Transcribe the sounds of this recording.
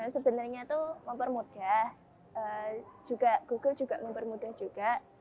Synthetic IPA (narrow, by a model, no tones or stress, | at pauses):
səbənərɲat̪uməmpərmud̥ah | ʔəd͡ʒuɡ̥aʔɡ̥uɡ̥əld͡ʒuɡaʔməmpərmudahd͡ʒuɡ̥aʔ